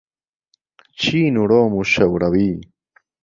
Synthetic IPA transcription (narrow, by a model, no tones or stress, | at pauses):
t͡ɕʰiːnuɽoːmuɕɐwɽɐwiː